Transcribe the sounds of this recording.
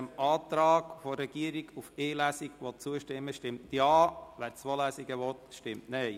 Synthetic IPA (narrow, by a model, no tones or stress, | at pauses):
əmɑːt̪ɾɑːɡ̥fɔɾɛɡ̥iəɾiɡufeːlæsiɡʋɔt͡suəʃtɪmːəʃtɪmtjɑːʋæːɾt͡swolæsiɡəʋɔt̪ʃtɪmtnɛɪ